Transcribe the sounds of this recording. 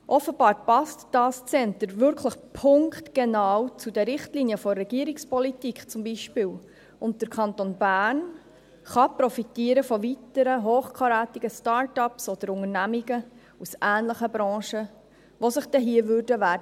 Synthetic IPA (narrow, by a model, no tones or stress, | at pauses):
ʔɔfəb̥ɑːɾpɑstd̥ɑːst͡sɛnt̪əɾvʏɾkʰləχpʰʊŋktɡ̥enɑːwt͡sudɛɾɪχtliniəfɔrːɛɡ̥iəɾikspʰɔlitikχt͡sʊmbiʃpɪːw | ʊnt̚d̥əɾkʰχɑnt̪onbæːɾn | χɑpɾɔfitiəɾəfɔvitəɾəɦoːχkʰɑɾæːt̪iɡ̥əstɑːɾtɑpsɔd̥əɾʊŋərnæmiɡə | usæːnləχəbɾɑ̃ːʃə | ʋosəχd̥ɛɦiəvʏːrdəʋæːdə